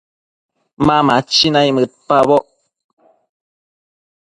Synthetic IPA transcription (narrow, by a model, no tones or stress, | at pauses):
mamat͡ʃinajmət̚pabɔʔ